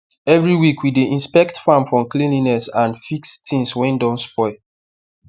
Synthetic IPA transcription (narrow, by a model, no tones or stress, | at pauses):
ɛvɹiwikwideʔĩnspɛktfãmfɹɔ̃mklĩnlinɛsãnfikstĩnswɛ̃ndɔ̃nspɔɪ